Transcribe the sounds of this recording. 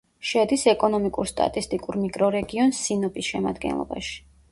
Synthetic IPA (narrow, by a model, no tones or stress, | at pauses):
ʃɛd̪isɛkʼɔnɔmikʼuɾst̪ʼa̰t̪ʼist̪ʼikʼuɾmikʼɾɔɾɛɡiɔnsːinɔbisʃɛma̰d̪ɡɛ̰nlˠɔ̰ba̰ʃi̥